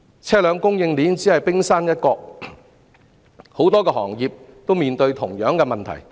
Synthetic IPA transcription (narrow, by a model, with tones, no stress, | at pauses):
t͡sʰɛː˥lœː˨˧ŋkʊ˥ŋjɪ˧ŋliː˨˥nt͡siː˨˥hɐ˨˩jpɪ˥ŋsaː˥njɐ˥t̚kɔː˧k̚ | ho˨˥wt̪ɔː˥kɛː˧hɔː˨˩ŋjiː˨p̚ | t̪o˥wmiː˨nt̪ɵ˧ɥt̪ʰʊ˨˩ŋjœː˨˥ŋkɛ˧mɐ˨nt̪ʰɐ̰˨˩j